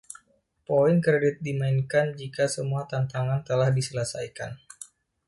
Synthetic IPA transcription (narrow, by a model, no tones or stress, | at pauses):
poɪŋkɾedɪt̪̚dimainkand͡ʒikasəmuat̪ant̪aŋant̪əlahdisələsa̰jka̰n